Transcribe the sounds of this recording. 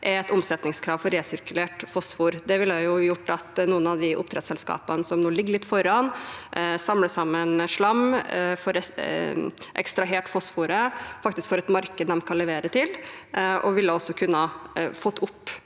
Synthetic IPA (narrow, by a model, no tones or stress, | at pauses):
ʔæɛt̪ʊmsɛt̪nɪŋskʰɾɑːʋfɔɾeːsʏɾkʉleːʈfɔsfuːɾd̪ɛʋɪlːæjʊjʊʈːɑt̪nuːənɑʋd̪ɪʔʊ̰p̚t̪ɾɛt̪sɛlskɑ̰ːpənəsɔmnoːlɪɡːəɭɪt̪ːfɔɾɑnʔsɑmləsɑmːənʂɭɑmfɔɾɛ | ʔɛ̰kst̪ɾɑɦeːʈfɔsfuːɾəfɑkt̪ɪskfoːɾɛt̪mɑɾkəd̪d̪ɛmkʰɑnlɛʋeːɾət̪ʰɪl | ʔɔʋɪlːəɔsːɔkʰʉnːəɑfɔt̪ːʊpː